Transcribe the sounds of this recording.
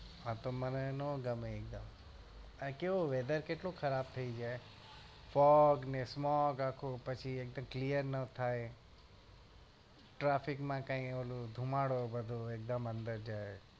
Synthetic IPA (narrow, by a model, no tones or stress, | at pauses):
at̪omɐnnõɡɐmeek̚d̪əm | ə̃keoʋeːd̪əɾkeːʈloxʰɐɾaːb̚t̪ʰɐid͡ʒaːe | fɔːɡnẽsmɔːɡaːkʰopɐt͡ʃʰiek̚d̪əmklijəɾnɐt̪ʰaːe | ʈɾaːfʰɪkmãkãːĩoːlod̪ʱumaːɽobɐd̪ʱoek̚d̪əmɐ̃nd̪əɾd͡ʒaːe